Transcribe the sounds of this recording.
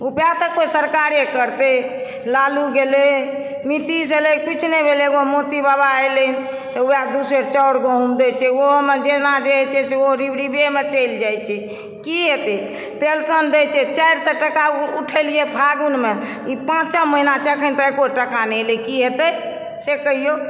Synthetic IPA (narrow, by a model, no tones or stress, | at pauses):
upat̪əkːojsəɾkaɾekəɾt̪e | laluɡele | mit̪is̬elekit͡ʃʰnebʱeleɡomot̪ibabaejlən | t̪ɔuad̪usəɾt͡ʃəʊɾɡəɦumd̪et͡ʃʰɛomed͡ʒenad͡ʒet͡ʃʰɛseoɾibɽibemet͡ʃəjld͡ʒajt͡ʃʰɛ | kiɦet̪ɛ | pelsənd̪et͡ʃʰɛt͡ʃajɾsəʈəkauʈʰəlijebʱaɡunme | ipãt͡ʃəməɦinat͡ʃəkʰənt̪ɔekoʈəkanɛlekiɦet̪əj | sekəɦijo